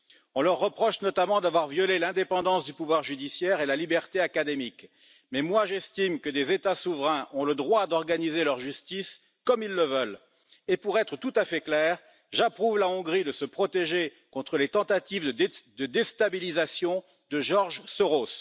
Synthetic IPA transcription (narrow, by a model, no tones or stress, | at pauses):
ɔ̃lœʁːəpχɔʃnɔt̪amɑ̃d̪avwaʁvjɔlelɛ̃d̪epɑ̃d̪ɑ̃sd̪ypuvwaʁʒyd̪isjɛʁelalibɛʁt̪eakad̪emik | mɛmwaʒɛst̪imkəd̪ezet̪asuvʁɛ̃ʔɔ̃ləd̪ʁwad̪ɔʁɡanizelœʁʒyst̪is | kɔmilːəvəl | epuʁɛt̪χət̪ut̪afɛklɛːʁ | ʒapχuvlaɔ̃ɡʁid̪əsəpχɔt̪eʒekɔ̃t̪χəlet̪ɑ̃t̪at̪ivd̪əd̪est̪abilizasjɔ̃ | d̪əʒɔʁʒsəʁos